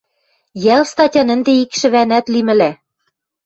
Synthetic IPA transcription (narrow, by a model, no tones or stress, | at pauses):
jælst̪ɑtʲɑnə̆nd̪eikʃɘ̆βænæt̪limɘ̆læ